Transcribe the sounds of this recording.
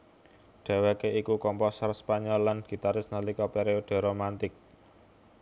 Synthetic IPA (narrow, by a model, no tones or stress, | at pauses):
ɖ̥e̤wekeʔikukɔmpɔsərspaɲɔlːanɡ̥i̤t̪aɾɪsnalikɔpeɾeoɖ̥e̤ɾomant̪ɪk̚